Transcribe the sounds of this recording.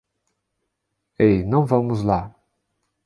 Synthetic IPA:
ejnɐ̃w̃vɐ̃mʊzla

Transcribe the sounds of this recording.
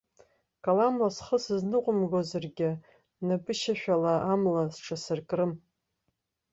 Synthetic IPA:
kʼalamlasχəsɨznɨqʷʼʊmɡozarɡʲɪ | nabʼɨʃaʃᶣalaamlasʈ͡ʂʰasɨrkʼrɨm

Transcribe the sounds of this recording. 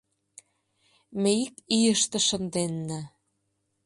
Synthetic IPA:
meikijəʃt̪ĕʃə̆nd̪enːæ

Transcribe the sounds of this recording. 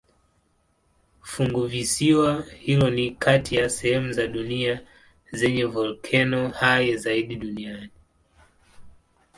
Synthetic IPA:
fuŋɡuvisiwahilɔnikʰatʰijasɛhɛmuzaɗunia | zɛɲɛvɔlkʰɛnɔhajɛzaiɗiɗuniani

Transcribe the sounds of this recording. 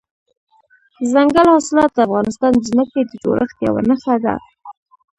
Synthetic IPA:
zaŋɡalhɑsɪlɑt̪̚d̪əafɣɑnɪst̪ɑnzməkejd̪əd͡ʒo̰ɾʔəxt̪ja̰wa̰naxad̪a̰

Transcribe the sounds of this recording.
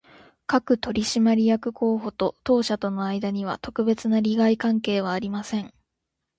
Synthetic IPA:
kakɯ̟t̪o̞ɾʲiɕimaɾʲijakɯ̟kʰo̞ːɦo̞t̪o̞t̪o̞ːɕat̪o̞no̞aid̪aɲ̟iβa̰t̪o̞kɯ̟be̞t͡sɨnaɾʲiɡaikãŋke̞ːβ̞aːɾʲimasẽ̞ŋ

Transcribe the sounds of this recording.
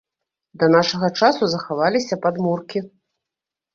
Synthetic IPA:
d̪ɐnaʂɐɣɐt͡ʂasuzɐxavalʲisʲɐpad̪murkʲi

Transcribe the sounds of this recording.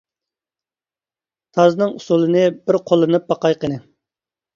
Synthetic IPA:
t̪ʰɑznɨŋusulˠɨnɨbɪɾqʰolˠɨnɨp̚bɑqɑjqənɨ

